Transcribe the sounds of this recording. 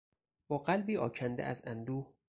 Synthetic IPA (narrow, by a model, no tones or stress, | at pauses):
b̥ɒːɢælbiːʔɒ̰ːcʰænd̪ḛʔæzænd̪uːh